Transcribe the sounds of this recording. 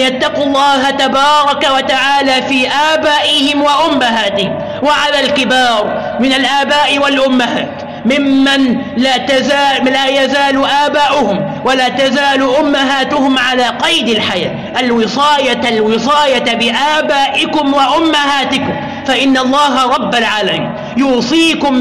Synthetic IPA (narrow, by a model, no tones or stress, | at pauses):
jat̪ːɑqɑlˤːɑːɦat̪abɑːɾˤɑkawat̪aʕaːlaːfiːʔaːbaːʔɪhɪmwaʔʊmːaɦaːt̪ɪhɪm | waʕalaːlkɪbɑːɾˤ | mɪnalʔaːbaːʔɪwalʔʊmːaɦaːt̪ | mɪmːan | laːt̪azaːlaːjazaːlʊʔaːbaːʔʊhʊm | walaːt̪azaːlʊʔʊmːaɦaːt̪ʊhʊmʕalaːqɑjd̪ɪlħajaː | ʔalwɪsˤɑːjaalwɨsˤɑːjabɪʔaːbaːʔɪkʊmwaʔʊmːahaːt̪ɪkʊm | faʔɪnːalˤːɑːɦaɾˤɑbːalʕaːlamḭːn | juːsˤiːkʊm